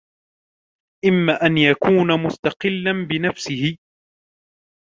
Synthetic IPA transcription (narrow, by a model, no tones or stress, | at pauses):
ʔɪmːaːʔanjakuːnamʊst̪ɑqɪlːanbɪnafsɪhɪ